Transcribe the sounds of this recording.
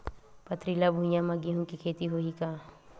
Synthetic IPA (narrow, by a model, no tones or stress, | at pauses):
pɐt̪ɾilabʱũjãmɐɡiɦũkikʰeːt̪iɦoːɦikaː